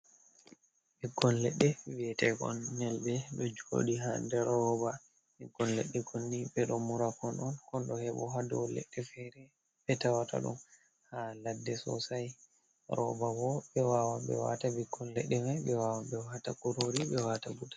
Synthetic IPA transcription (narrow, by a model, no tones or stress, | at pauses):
biɡːɔnlɛɗːɛwiɛtɛɡɔ̰nːɛlɓɛɗɛd͡ʒo̰ɗiɦandɛɾɔba | biɡːɔnlɛ̰ɗːɛɡʰonːiɓɛɗɔmuɾakɔnʔɔnkɔnɗɔhɛɓɔɦadɔ̰lɛ̰ɗːɛfɛɾɛ | ɓɛtawata̰ɗṵm | haladːɛsɔ̰saj | ɾɔ̰bawɔɓɛwawabɛ̰wa̰tabiɡːɔnlɛɗːɛmajɓɛwawabɛwatakuɾoɾiɓɛwataɡudḁ